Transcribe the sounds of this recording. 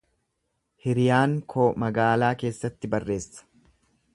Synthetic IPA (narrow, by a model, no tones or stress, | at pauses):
hɪɾɪjaːŋkʰoːmɐɡaːlaːke̞ːsːɐt̪ːɪbɐrːe̞ːsːɐ̥